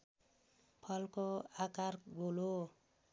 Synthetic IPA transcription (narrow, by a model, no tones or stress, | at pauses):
pʰʌlkoakaɾɡolo